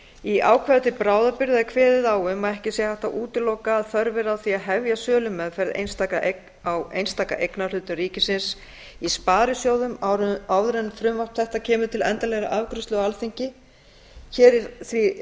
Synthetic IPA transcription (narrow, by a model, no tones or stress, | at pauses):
iʔa̰ːwkʰvɛɾt̪ɪpɾaːwðapɪɾðakʰvɛːðɪðaːwʏmaɛhcɪsjɛhaht̪aʔuːt̪ɪlowkaːðfœɾvɛɾaθviaðɦɛvjasœːlʏmːɛðfɛɾðḛjnst̪aːka | awḛjnst̪aːka̰ʔejknalʏːt̪ʏriːcɪsɪns | ispaːɾʏsjoːwðʏmawðɾɛnfɾʏmvaht̪θɛht̪acʰɛːmʏt̪ʰɪlɛ̰nt̪alɛɣɾa̰ʔavkɾʏst̪ʏalθiɲcɪ | çɛːɾɪθvi